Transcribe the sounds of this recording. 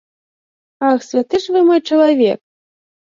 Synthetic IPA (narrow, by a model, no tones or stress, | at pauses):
axsʲvʲat̪ɨʂvɨmajt͡ʂɐlˠavʲɛ̰k̚